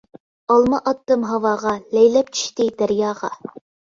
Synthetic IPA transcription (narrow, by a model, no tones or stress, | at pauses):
ɑlˠmɑʔɑt̪ːɤmɦɑwɑːʁɑlæjlɛp̚t͡ʃʰy̥ʃt̪ɪd̪̥æɾjɑːʁɑ̰